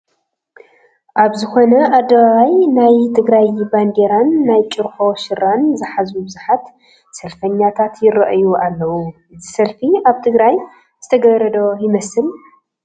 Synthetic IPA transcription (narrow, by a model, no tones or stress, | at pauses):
ʔaβzɨxo̞nɐad̪ːɐβaβajnajt̪ʰɨɡɾajbanɡ̪eɾanːajt͡ʃʼɨɾxo̞ʃɨɾanzɨħazubɨzuħat̪ | sɐlfɐɲːat̪ʰat̪jɪɾɐʔjuʔalːɐwuʔɨzisɐlfiaβt̪ʰɨɡɾaj | z̥ɨt̪ʰɐɡɐɾɐd̪o̞jɪmɐsɨl